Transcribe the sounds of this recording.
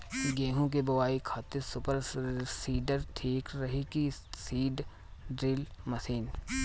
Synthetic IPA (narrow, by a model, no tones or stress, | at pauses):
ɡeːɦõk̬ebɐʋaːikʰaːt̪esʊpəɾsiːɖəɾʈʰiːkɾɐɦikisiːɖ | ɖɾɪlmɐsiːn